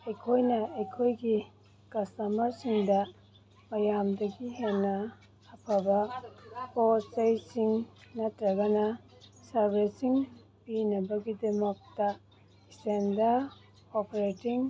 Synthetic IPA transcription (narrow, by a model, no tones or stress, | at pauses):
ɐjkʰojnɐɐjkʰojɡi | kɐstɐmɐɾsiŋdɐ | mɐjamdɐɡiɦenɐː | pʰɐbɐpot͡ʃɐjsiŋnɐtɾɐɡɐnɐ | sɐɾbesiŋ | pinɐbɐɡidɐmɐk̚tɐ | sendɐ | opʰeɾetiŋ